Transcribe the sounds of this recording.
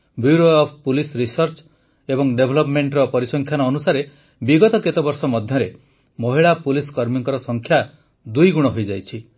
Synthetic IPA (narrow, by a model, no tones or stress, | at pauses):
bjuɾoɔpʰpulisɾisɔɾt͡ʃ | ebɔŋɖebʱɔlɔpmeɳʈɾɔpɔɾisɔŋkʰjanɔːnusaɾe | biɡɔt̪ɔket̪ɔbɔɾsɔmɔd̪ʱjɔɾe | mɔɦiɭapuliskɔɾmiŋkɔɾɔsɔŋkʰja | d̪ujɡuɽ̃ɔɦojd͡ʒajt͡ʃʰi